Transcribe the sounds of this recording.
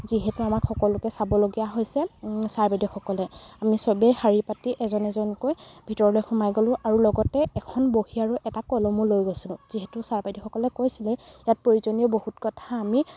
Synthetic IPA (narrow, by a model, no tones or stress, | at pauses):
ziɦɛtuamakxɔkɔlʊkɛsabɔloɡijaɦojsɛsaɹbajdɔxɔkɔlɛamisɔbɛjxaɹipatiʔɛzɔnɛzɔnkojbʱitɔɹɔlojxumajɡolʊ̃ʔaɹulɔɡɔtɛɛkʰɔnbohiaɹuʔɛtakɔlɔmulojɡosilʊ̃z̥iɦɛtʊsaɹbajdixɔkɔlɛkojsilɛjat̚poɹizonijɔbohutkɔtʰaːmi